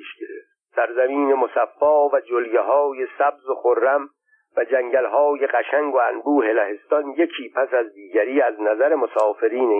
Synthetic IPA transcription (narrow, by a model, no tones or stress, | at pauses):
iʃɡeɾeft̪ | sæɾzæmiːne̞mosæfːɒːvæd͡ʒoljeɦɒːje̞sæbzoxoɾːæm | væd͡ʒæŋɟælɦɒːje̞ɢæʃæŋɡoænbuːhe̞læhe̞st̪ɒnje̞cʰiːpʰæsæzd̪iːɟæɾiːæznæzæɾemosɒːfe̞ɾiːne